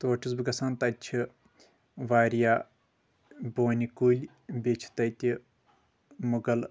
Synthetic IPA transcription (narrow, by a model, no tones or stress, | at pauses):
t̪oːʈʰis̬bɨɡɐsaːnt̪ɐt͡ʃʰi | ʋaːɾʲjaː | boːnʲikuːlʲ | bʲet͡ʃʰi̥t̪ɐt̪ʲi | muɡɐl